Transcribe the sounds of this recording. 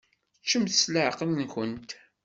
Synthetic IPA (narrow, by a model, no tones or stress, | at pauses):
t͡ʃːəmθsləʕqənnkənt̪